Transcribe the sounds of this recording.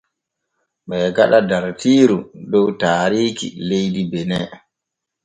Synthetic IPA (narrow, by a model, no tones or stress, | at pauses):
ɓɛɡaɗadaɾtiːɾudɔwtaːɾiːkḭlejdibɛnɛ